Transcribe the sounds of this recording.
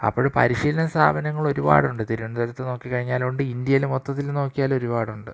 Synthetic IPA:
ɐ̰pːoːɻɨpɐ̰ɾiɕiːlɐnɐst̪ʰaːbʱɐnɐŋːɐɭo̞ɾuba̰ːɽuɳɖɨt̪iɾuʋɐnd̪ɐɾɐt̪ːeno̞ːkːikːɐɻiɲːaːluɳɖɨind̪jɐjilmo̞t̪ːɐt̪ːilno̞ːkːijaːlo̞ɾubaːɽuɳɖɨ

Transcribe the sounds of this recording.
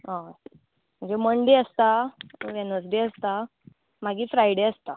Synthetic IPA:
ɦã | m̤əɳd͡zeməɳɖeəst̪aʋɛnəsd̪eəst̪a | maɡiːfɾajɽeəst̪a

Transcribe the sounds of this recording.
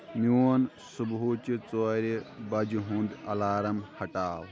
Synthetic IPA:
miwon | subɦut͡ʃit͡soːɾebɐd͡ʒɦũːnd̪ɐlaːɾɐmhɐʈaːw

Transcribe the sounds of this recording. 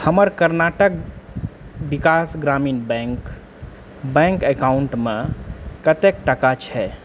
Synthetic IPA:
həməɾkəɾnaʈək̚ | bikasɡɾamiːnbɛ̃ŋk | bɛ̃ŋkekauɳʈmẽkət̪ek̚ʈəkat͡ʃʰɛ

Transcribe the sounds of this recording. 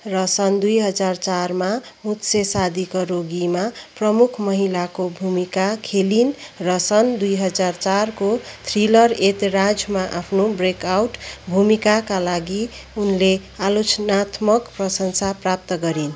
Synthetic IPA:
rʌsʌnd̪ujɦʌd͡zart͡sarmamut̪sesad̪ʱikʌɾoɡimaprʌmukʰmʌɦilakobʱumikakʰelinrʌsʌnd̪ujɦʌd͡zart͡sarkot̪ʰrilʌret̪ɾad͡zmaʔapʰnobrekawʈbʱumikakalaɡiunle | alot͡snat̪mʌkprʌsʌnsaprap̚t̪ʌɡʌɾin

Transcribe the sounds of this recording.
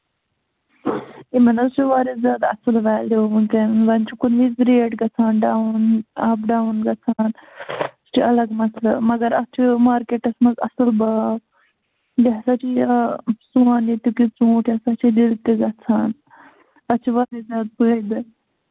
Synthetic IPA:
imɐnɐzt͡ʃʰuʋaːɾizjaːd̪ɐsɨlʋaːlukɐnʋɐnt͡ʃʰikunʋizɾeːʈɡɐt͡sʰaːnɖaːunɐbɖaːunɡɐt͡sʰaːnst͡ʃʰiɐlɐɡmɐslɐmɐɡɐɾɐt͡ʃʰimaːɾkeːʈɐsmɐzɐ̰sɨlbaːb | jɐsat͡ʃʰi | suaːnit̪ukit͡sũːʈʰjɐsat͡ʃʰililt̪iɡɐt͡sʰaːn | ɐt͡ʃʰiʋaːɾizjaːd̪̚bəːd̪ɨ

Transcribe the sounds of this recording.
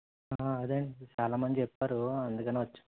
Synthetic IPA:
aɐd̪eːɳʈit͡ʃaːlaːmɐnd͡ʒ̪it͡ʃepːaːɾuɐnd̪ukɐneʋɐt͡ʃːu̥

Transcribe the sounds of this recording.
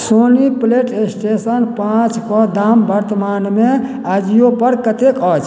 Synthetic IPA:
sonipleʈesʈesənpãt͡ʃpɔd̪ambəɾt̪əmanme | ad͡ʒijopəɾkət̪ekɔd͡ʒ

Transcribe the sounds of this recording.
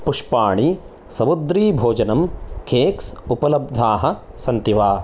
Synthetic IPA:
puʂpaːɳi | sɐmud̪ɾiːbʱoːd͡ʒɐnɐmkʰeːksupɐlɐb̚d̪ʱaːɦɐ̆sɐnt̪iʋaː

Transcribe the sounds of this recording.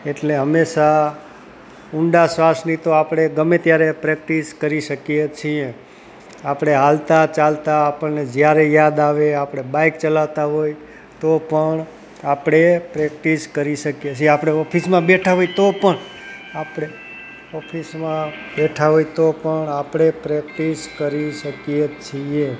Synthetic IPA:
eʈleɦəmːeʃa | uɳɖasʋasnit̪oapɽ̃eɡəmet̪jaɾepɾɛk̚ʈiskəɾiʃəkjet͡ʃʰiẽ | apɽ̃eɦalt̪at͡ʃalt̪aːpəɳned͡ʒjaɾejad̪aʋeapɽ̃ebajkt͡ʃəlaʋt̪aɦoj | t̪opəɳ | apɽ̃epɾɛkʈiskəɾiʃəkijet͡ʃʰieapɽ̃eɔpʰismãbeʈʰaɦoit̪opəɳ | apɽ̃e | ɔpʰismã | bɛʈʰaɦojt̪opəɳapɽ̃epɾɛk̚ʈiskəɾiʃəkijet͡ʃʰie

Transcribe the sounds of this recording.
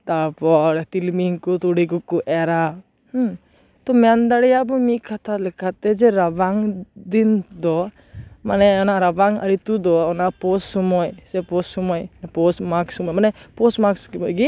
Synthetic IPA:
t̪aɾpɔɾɛt̪ilmiŋkɔt̪uɽikukuʔɛɾa | t̪ɔmɛand̪aɽɛjabɔmikʰat̪alɛkat̪ɛd͡ʒɛɾabaŋd̪ind̪ɔ | manɛɔnaɾabaŋa̰ɾit̪ud̪ɔɔnapɔssɔmɔjsɛpɔssɔmɔjnɛpɔsmaksɔmɔjmanɛpɔsmaksɔjɡi

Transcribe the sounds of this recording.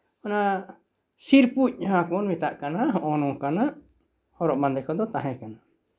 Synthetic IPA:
ɔna | siɾpuc̚ˀɦãkɔɔnmit̪aʔkanaɦɔʔɔnɔ̃kana | ɔɾɔʔmand̪ɛkɔd̪ɔt̪aɦɛ̃kana

